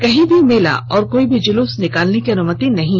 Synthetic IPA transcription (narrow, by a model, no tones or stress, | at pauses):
kɐɦĩbʱimeːla̰ɔːɾkoːibʱid͡ʒʊluːsnɪkaːlnekiɐnʊmət̪inɐɦĩ